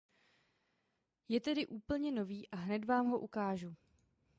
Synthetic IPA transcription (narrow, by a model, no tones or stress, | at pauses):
jɛt̪ɛdɪʔuːpl̩ɲɛno̞viːʔaɦnɛt̪vaːmɦo̞ʔukaːʒu